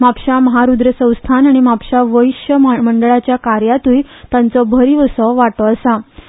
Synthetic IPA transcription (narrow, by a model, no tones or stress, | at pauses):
mapɕaməɦaɾud̪ɾəsə̃w̃st̪ʰanaɽ̃imapɕaʋəiɕjəməɳɖəɭat͡ɕjakaɾjat̪ujt̪jãnt͡sɔbʱəɾiʋəsɔʋaʈɔəsa